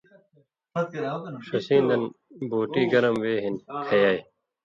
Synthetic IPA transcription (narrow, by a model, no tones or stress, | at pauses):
ʂɐsĩːnd̪ɐn | boːʈiːɡɐɾɐmʋeːɦinkʰɐjaːj